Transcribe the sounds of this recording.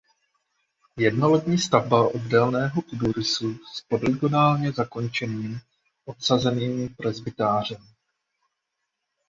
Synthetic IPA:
jɛdnolɛt̪ɲiːst̪avbaʔo̞ddɛlnɛːɦo̞kuduɾɪsuspodɾɪɡonaːlɲɛzako̞nt͡ʃɛniːm | ʔo̞t̪sazɛniːmɪpɾɛzbɪt̪aːr̝ɛm

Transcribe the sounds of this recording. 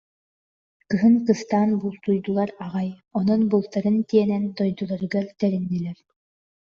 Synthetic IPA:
kɯɦɯŋkɯst̪aːnbulˠt̪ujd̪ulˠaɾaʁajɔnɔnbulˠt̪aɾɯnt̪iɛnɛnd̪ɔjd̪ulˠaɾɯɡaɾt̪ɛɾinːilɛɾ

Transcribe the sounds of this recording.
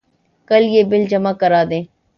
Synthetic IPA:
kəljeːbɪld͡ʒəmakəɾaːd̪ẽː

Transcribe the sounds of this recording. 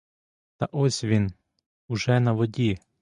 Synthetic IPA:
t̪ɐʔɔsʲʋʲin | ʊʒɛnɐʋɔdʲi

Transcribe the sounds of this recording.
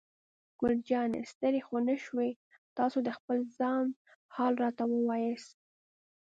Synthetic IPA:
ɡ̥ʊld͡ʒɑnḛst̪əɾexonəʃwe | t̪ɑsod̪əxpəlzɑnhɑlɾɑt̪awəwɑjəs

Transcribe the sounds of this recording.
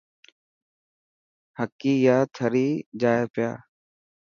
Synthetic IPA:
həkːiːjaːt̪ʰəɾiːd͡ʒaːeːpja̰ː

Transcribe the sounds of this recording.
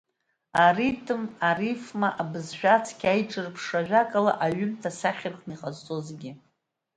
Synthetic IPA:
aritʰʼɨmarifmaʔabɨzʃᶣat͡sʰkʲajʈ͡ʂʼɨrpʰʂaʒʷᶣakʼala̰ʔaɥʏmtʰasaχʲɪrχniqʼazt͡sʼozɡʲɪ

